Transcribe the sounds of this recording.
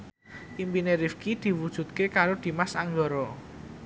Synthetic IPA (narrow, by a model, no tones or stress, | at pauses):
ʔimpineɾifkid̪̥i̤wud̥ʒ̥ṳt̪̚kekaɾod̪̥i̤masaŋɡɔɾɔ